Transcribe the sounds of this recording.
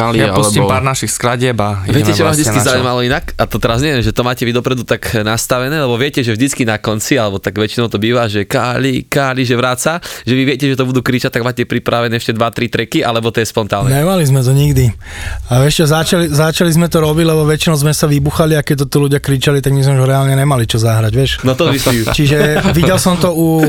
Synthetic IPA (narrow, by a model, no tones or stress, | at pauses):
aljaausimpaːɾnaʃixskɾaɟɪɛbaʋɪɛcɛʒɛʋaːmʒd̪it͡skizaumalɔinakat̪ɔt̪ɛɾazɲɪɛjɛnʒɛt̪ɔmaːcɛʋid̪ɔpɾɛd̪ut̪aknast̪aʋɛnɛːlɛbɔʋɪɛcɛʒɛʒd̪it͡skinakɔnt͡sialɛbɔt̪aɡʋɛt͡ʃinɔʊt̪ɔbiːʋaʒɛkaːlikaːliʒɛʋɾaːt͡saʒɛʋiʋɪɛcɛʒɛt̪ɔbud̪uːkɾit͡ʃac̚t̪aɡmaːcɛpɾipɾaʋɛnɛɛʃcɛd̪ʋat̪ɾit̪ɾɛkiʔalɛbɔt̪ɔjɛspɔnt̪aːnnɛɲɛmalizmɛt̪ɔɲiɡd̪i | ajɛʃt͡ʃɔzat͡ʃalizat͡ʃalizmɛt̪ɔɾɔbiɟlɛbɔʋɛt͡ʃinɔʊzmɛsaʋibuxaliakɛc̚t̪ɔt̪iluɟɪakɾit͡ʃalit̪aɡmizmɛuʒɾɛalɲɛɲɛmalit͡ʃɔzaɦɾaɟʋjɛʃnɔt̪ɔʋisit͡ʃiʒɛʋiɟɛlsɔmt̪ɔu